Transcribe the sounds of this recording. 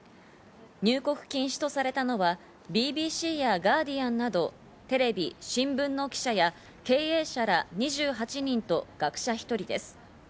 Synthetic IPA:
ɲ̟ɨːko̞kɯ̟̥kʲĩɰ̃ɕi̥t̪o̞saɾe̞t̪ano̞βa | bʲiːbʲiːɕiːjaɡaːd̪ʲijãnːad̪o̞ | t̪e̞ɾe̞bʲḭɕĩmbɯ̟̃nːo̞kʲi̥ɕaja | ke̞ːe̞ːɕaɾaɲ̟iʑɨːɦat͡ɕiɲ̟ĩnt̪o̞ɡ̥akɯ̟̥ɕaçʲi̥t̪o̞ɾʲid̪e̞sɨ̥

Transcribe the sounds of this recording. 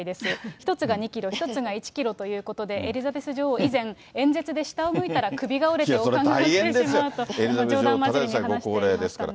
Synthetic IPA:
id̪e̞sɨçi̥t̪o̞t͡sɨɡaɲ̟ikʲiɾo̞çi̥t̪o̞t͡sɨɡait͡ɕi̥kʲiɾo̞t̪o̞jɯ̟ːko̞t̪o̞d̪e̞ʔeɾʲizabe̞sɨʑoːizẽ̞ŋ | ẽ̞ñd͡ze̞t͡sɨd̪e̞ɕi̥t̪aomɯ̟it̪aɾakɯ̟bʲiɡaoɾe̞teosoɾãŋɡ̪aiiẽedeismjaɯt̪o̞eɾizabeoːd̪ãmaaaanɡoakoːɾeːd̪esɨ̥ka̰ɾa̰

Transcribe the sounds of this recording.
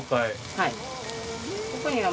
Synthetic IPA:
kai | hai | kokoɲ̟iɡa

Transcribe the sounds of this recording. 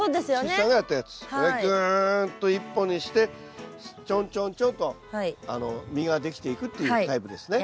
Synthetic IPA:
soːd̪esɨjoisãŋɡajat̪ːajat͡sɨ̥koɾeɡɯnt̪ːo̞ipːo̞ɲ̟iɕi̥t̪e̞ | t͡ɕõɲt͡ɕõnt͡ɕõnt̪o̞haia̰no̞̰mʲiɡad̪e̞kʲi̥t̪e̞ikɯ̟t̪ːe̞jɯit̪aipɯ̟d̪e̞sɨne

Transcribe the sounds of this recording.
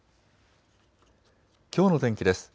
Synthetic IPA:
kʲo̞ːno̞t̪ẽ̞ŋkʲid̪e̞sɨ̥

